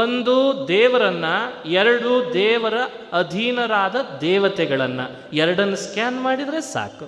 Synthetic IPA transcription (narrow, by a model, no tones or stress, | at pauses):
ond̪ud̪ɛːʋɐɾɐnːɐɛɾɐɽud̪ɛːʋɐɾɐː | d̪ʱiːnɐɾaːd̪ɐd̪ɛːʋɐt̪ɛɡɐɭɐnːɐ̰ | ɛɾɐɽɐnːɐskjaːnmaːɽid̪ɐɾesa̰ːku